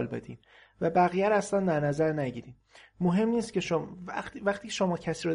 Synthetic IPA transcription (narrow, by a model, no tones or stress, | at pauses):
lbed̪ḭːn | væbæɣijæɾæslænd̪æɾnæzæɾnæɟiːɾiː | moɦe̞mniːsce̞ʃovæχt̪ʰiːcʰeʃo̞mɒːcʰæsiːɾo